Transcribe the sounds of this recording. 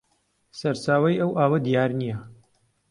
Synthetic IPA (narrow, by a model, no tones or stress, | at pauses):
sɐɾt͡ʃaːwɐjɐwʔaːwɐd̪ijaːɾnijɐ